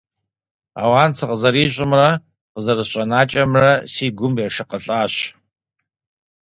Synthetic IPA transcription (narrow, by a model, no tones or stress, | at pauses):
a̰ːwaːnt͡sʰɨqəzɐɾiːɕ̬ʼɪmrɐ | qəzɐrɨɕʼɐnaːt͡ʃʼɐmrɐsiːɡʷʊmɛʂɨqəɬʼaːɕ